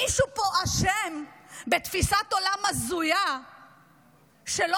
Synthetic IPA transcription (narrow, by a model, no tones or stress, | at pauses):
iʃupoaʃembet̪fisat̪olamazuja | ʃelo